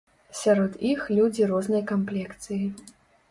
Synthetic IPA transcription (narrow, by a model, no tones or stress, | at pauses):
sʲaɾɔt̪ixlʲud͡zʲiɾɔznɐjkamplʲɛkt̪sɨji